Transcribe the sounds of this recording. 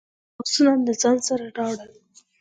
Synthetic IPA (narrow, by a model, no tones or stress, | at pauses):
aksunand̪əzɑnsaɾaɖɑɽəl